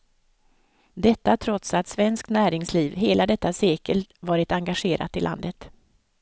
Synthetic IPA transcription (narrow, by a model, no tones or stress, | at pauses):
d̪ɛt̪ːat̪ʰɾɔt̪sat̪svɛnskt̪næːɾɪŋsliːvɦeːlʔad̪ɛt̪ːaseːkəlt̪vɑːɾɪt̪aŋɡaɧeːɾʔa̰t̪ɪlʔa̰nd̪ət̪